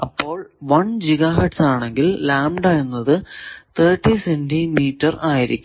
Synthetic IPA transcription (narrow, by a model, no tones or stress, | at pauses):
ɐpːo̞ːɭʋɐɳd͡ʑiɣaːɦɐʈsaːɳe̞ŋɡillaːmɖaɻunːɐðɨt̪ʰeːrʈːisendimiːtːɐraːjiɾḭkʲːu